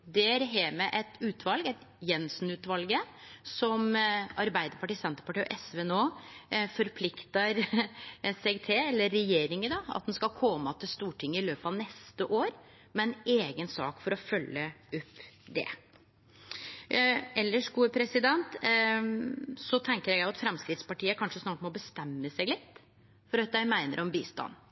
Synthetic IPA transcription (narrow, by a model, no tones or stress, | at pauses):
d̪ɛæɾɦeːmɛʔɛt̪ʉːt̪ʰʋɑlɡɛt̪ | jɛnsnʉːt̪ʋɑlɡəsɔmɑɾbæɪd̪əɾpɑʈiːsɛnt̪ə̥pɑʈiːɔ̰ʔɛsʋɛnoːfɔɾpʰlɪkt̪ɑɾ | sɛɡt̪ʰeɛlːəːɛjeːɾɪŋəd̪ɑɑ̰t̪̚d̪ɛnskɑlkʰɔmɑt̪ʰɪlst̪uːʈɪŋːəɪløːpɑʋnɛst̪əʔoːɾ | mɛɛneːɡənsɑ̰ːkfɔɾɔfœlːəʉpːd̪ɛ̰ | ɛlːəʂɡuːəpʰɾɛsɪd̪ɛnt̪ | sɔt̪ʰɛŋkəɾjæɡæɪɑt̪fɾɛmskɾɪt̪spɑʈiːəkʰɑnʂəsnɑːʈmɔbəst̪ɛmːəsɛɡlɪt̪ː | fɔɾɑt̪̚d̪æɪmæɪnəɾʔɔmbiːst̪ɑ̰nː